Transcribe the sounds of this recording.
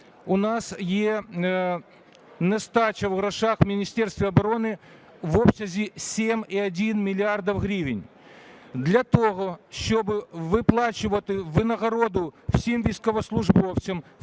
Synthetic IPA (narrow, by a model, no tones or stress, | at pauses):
ʊnasje | nɛst̪at͡ɕɐvɣɾɐʂaxmʲɪnʲisʲtʲerst̪vʲɪɐbɐɾo̞nɨ | vopsɐzʲisʲemʲiɐdʲinmʲɪlʲɪard̪ɐfɣɾʲivʲɪnʲ | d̪lʲɐt̪oɣoʃtobɨvɨplˠat͡ɕɪvɐt̪ɨvɨnɐɣɐɾod̪ʊfsʲimvʲiskəvɐslˠʊʐbofsʲɪm